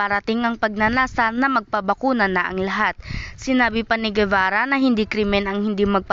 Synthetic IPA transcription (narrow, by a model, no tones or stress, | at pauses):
ɐɾɐt̪ɪŋɐŋpɐɡ̚nɐnaːsanɐmɐɡ̚pɐbɐkuːnɐnɐʔɐ̰ŋlɐɦat̪̚sɪnaːbɪpɐnɪɡɛvaːɾɐnɐɦɪnd̪ikɾɪmɛnɐŋhɪnd̪imɐɡ̚p